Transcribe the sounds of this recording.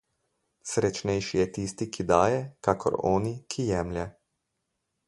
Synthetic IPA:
sɾɛt͡ʃnɛjʃijɛt̪iːst̪ikʰid̪aːjɛkaːkʰɔ̰ɾɔ̰ːnikʰijɛːmljɛ

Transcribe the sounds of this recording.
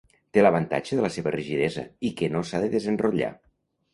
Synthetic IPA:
t̪eləβənt̪a̰t͡ʃəðələseβəriʒiðɛzə̰ikənosaðəðəzənruʎa̰

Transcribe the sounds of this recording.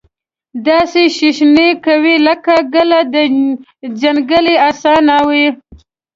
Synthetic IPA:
d̪ɑseʃiʃnekawiləkaɡəlad̪ə | zanɡəliasɑnawi

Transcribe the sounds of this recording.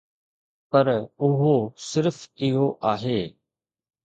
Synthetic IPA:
pɐɾʊɦosɪɾfɪɦoʔaːɦeː

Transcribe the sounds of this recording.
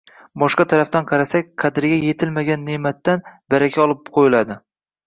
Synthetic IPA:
bɒʃqɑt̪ʰaɾaft̪anqʰɑɾasakʲqʰɑd̪ɾɡʲaje̞t̪ʰɪlmaɡʲanːemat̪ːanbaɾakʲʰaɒlˠɪp̚qʰojɪlad̪ɪ

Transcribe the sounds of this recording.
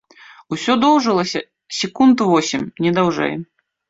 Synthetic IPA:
usʲɔd̪ɔwʐɨlˠɐsʲɐ | sʲɛkund̪uvɔsʲimʲnʲɛd̪awʐɛ̰j

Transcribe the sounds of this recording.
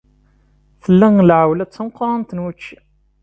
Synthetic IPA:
θəlːæŋlʕwlæt͡sːəmqːɑɾˤɑnt̪ənwæt͡ʃːi

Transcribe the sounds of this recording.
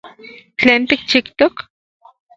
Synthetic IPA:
t͡ɬeːnt̪ik̚t͡ʃikt̪ok

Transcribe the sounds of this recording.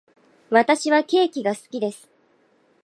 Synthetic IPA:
βat̪aɕiβake̞ːkʲiɡasɨ̥kʲid̪e̞sɨ̥

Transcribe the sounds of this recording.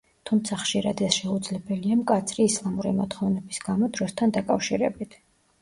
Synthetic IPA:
t̪ʰumt̪sʰaχʃiɾad̪ɛsʃɛud̪zlɛbɛliamkʼat̪sʰɾiːslˠamuɾimɔt̪χɔvnɛbisɡ̥amɔd̪ɾɔst̪ʰand̪akʼafʃiɾɛ̰bit̪ʰ

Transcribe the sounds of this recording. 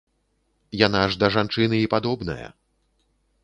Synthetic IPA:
janaʐd̪ɐʐant͡ʂɨnɨipad̪ɔbnɐ̰jɐ̰

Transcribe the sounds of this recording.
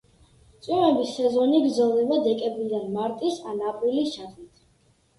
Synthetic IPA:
t̪sʼimɛbisɛzɔniɡɾd̪zalˠnɛbad̪ɛkʼɛbɾid̪anmaɾt̪ʼisanapʼɾilist͡ʃʰad̪it̪ʰ

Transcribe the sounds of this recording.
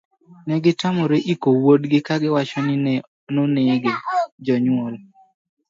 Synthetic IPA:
nɛɡɪtamɔɾeʔikowodɡɪkaɡɪwat͡ʃɔnɪnɛ | noneɡed͡ʒɔɲwɔl

